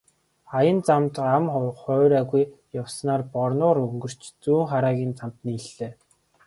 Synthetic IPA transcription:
ajə̆nt͡samt̪amχʊːɾæːɣuj | jawsnaːrpɔrnʊːɾɵŋɡɵ̆r̥t͡ɕt͡suːŋχaɾaːɣʲiːnt͡sam̥t̪niːɮeː

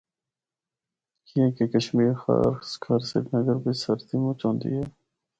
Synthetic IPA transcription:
kiẽːkekəʃmiːɾxa̰ːɾskʰaːɾsɪ̰bnəɡəɾbisəɾt̪iːmũːt͡ʃõːnd̪ḭːɦɛː

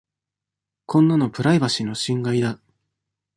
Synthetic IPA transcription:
kʰõ̞nːano̞pɯ̟ɾaibaɕino̞ɕĩŋɡaid̪a

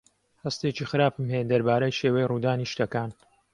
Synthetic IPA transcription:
hɐst̪et͡ʃiːxɨɾaːpɨmhed̪ɐɾbaːɾɐjʃeːwɐjruːd̪aːniʃt̪ɐkaːn

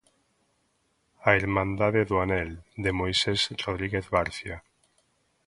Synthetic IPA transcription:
aeɾmãnd̪aðeðuanɛld̪emojsesroðɾiɣeθβaɾθja

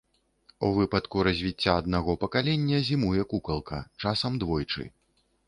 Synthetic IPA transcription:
uvɨpɐt̪kuɾɐzʲvʲit͡sʲːaːd̪̚naɣɔpɐkalʲɛnʲːɐzʲimujɛkukɐlˠkʰɐ̰t͡ʂasɐmd̪vɔjt͡ʂɨ̰

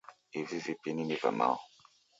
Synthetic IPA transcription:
ivivipininiva̰ma̰

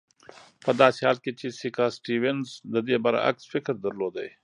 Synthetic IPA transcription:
pəd̪aːseɦaːlket͡ʃisikaːsʈiːwenzd̪ɐd̪eːbaɾa̰ʔɐ̰ksfɪkɾd̪ɐɾloːd̪aj

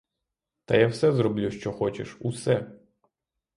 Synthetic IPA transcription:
t̪ɐjawsɛzɾɔblʲuʃt͡ʃɔxɔt͡ʃḛʃusɛ

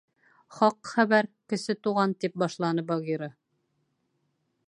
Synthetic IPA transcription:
χɑqχæβæɾkɘ̆sɘt̪uʁɑnt̪ip̚bɑʃlˠɑnɤbɑʁiɾɤ

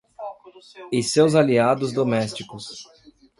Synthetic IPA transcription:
ɪsewzaliad̪ʊzd̪omɛst͡ʃikʊs

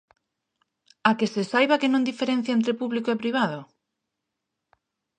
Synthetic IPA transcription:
akesesajβakenõnd̪ifeɾen̟θjaent̪ɾepuβlikoepɾiβ̞að̞o

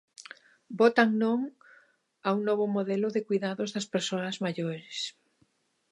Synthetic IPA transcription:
bot̪aŋnõŋ | auŋnoβomoðelʊðɪkujðaðʊzðɐspeɾsoɐzmaʎoɾɪs

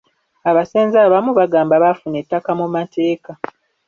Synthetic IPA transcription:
aβaseːnzaβamuβaɡaːmbaβafune̞tːakamumate̞ːka

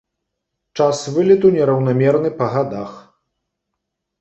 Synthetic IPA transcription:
t͡ʂasvɨlʲit̪unʲɛɾɐwn̪amʲɛrnɨpɐɣad̪ax

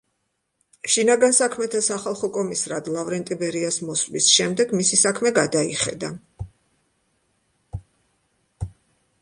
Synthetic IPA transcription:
ʃinaɡansakʰmɛt̪ʰasaχalˠχɔkʼɔmisɾad̪lˠavɾɛnt̪ʼibɛɾiasmɔslisʃɛmd̪ɛɡmisisakʰmɛɡad̪aiχɛ̰d̪a

